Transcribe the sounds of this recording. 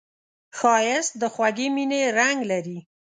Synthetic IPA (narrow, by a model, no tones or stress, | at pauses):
xɑjɪst̪̚d̪əxwaɡemineɾaŋɡlaɾi